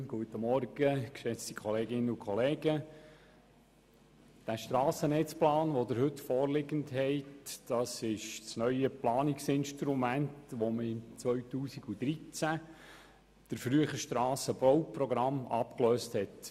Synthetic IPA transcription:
ɡ̥uətəmɔɾɡ̥əkʃɛt͡stikʰχɔleːɡɪnəukʰχɔleːɡə | d̥æʃtɾɑːsənɛt͡splɑːnʋodəɾhɦɵtfɔːɾlɪɡənthɛɪtd̥ɑsɪʃsnœʏəplɑːnɪksɪnʃtɾumæntʋoməɪmt͡sʋœɥtuːsiɡud̥ɾit͡sæ | d̥əɾfɾyəχəʃtɾɑːsəbɔwpɾɔɡɾɑmɑ̰pkløːsthɛt

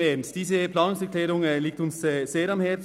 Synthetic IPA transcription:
emsd̥iːzəplɑːnʊŋsɛʁklɛːɾʊŋːliːk̚tʊnsɛːz̥eːɾɑmhɛɐ

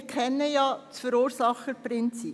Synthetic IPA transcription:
kʰɛnːəjɑːt͡sfəɾuːɾsɑχəpɾɪnt͡si

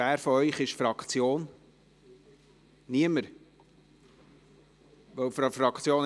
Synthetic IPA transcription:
æːɾfɔœʏχɪʃfɾɑkχt͡sjoːn | niəməɾ | ʋœwfɾɑfɾɑkt͡sjoːn

